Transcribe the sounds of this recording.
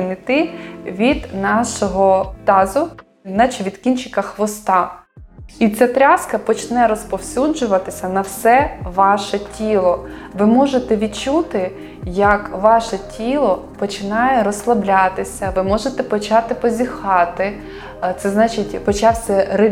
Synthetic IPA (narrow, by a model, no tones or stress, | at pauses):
mɪt̪ɪʋʲid̪nɑʃɔɦɔt̪ɑzʊ | nɑt͡ʃɪʋʲid̪kʲint͡ʃɪkɐxʋɔst̪ɑ | it͡sʲat̪ɾʲaskɐpɔt͡ʃnɛɾɔspɔwsʲud͡ʒʊʋɐt̪ɪsʲɐnɐwsɛʋɑʃɛtʲilˠɔ | ʋɪmɔʒet̪ɛʋʲid̪̚t͡ʃut̪ɪ | jɐkʋɑʃɛtʲʰilˠɔ | pɔt͡ʃɪnɑjɛɾɔslˠɐblʲat̪ɪsʲɐʋɪmɔʒet̪ɛpɔt͡ʃɑt̪ɪpɔzʲixɑt̪ɪ | t̪sɛznɑt͡ʃɪtʲpɔt͡ʃɑwsʲɛɾe